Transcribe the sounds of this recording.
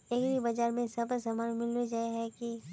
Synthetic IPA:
ekɾibɐd͡ʒaːɾmẽsɐbsɐmaːnmɪlod͡ʒaeɦɛki

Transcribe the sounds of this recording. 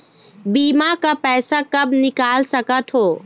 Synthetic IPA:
biːmakapɛːsakɐbnɪkaːlsɐkət̪ɦoː

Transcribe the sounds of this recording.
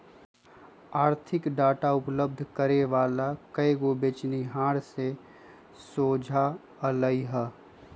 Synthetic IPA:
aːɾt̪ʰɪkɖaːʈaʊpləb̚d̪ʱkəɾeʋaːlakəeɡobeːt͡ʃniɦaːɾse | soːd͡ʒʱa | ələiɦɛ

